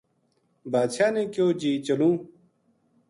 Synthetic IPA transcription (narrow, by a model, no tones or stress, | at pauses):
baːd̪ɕaːnẽːkjoːd͡ʑiːt͡ɕɐlũː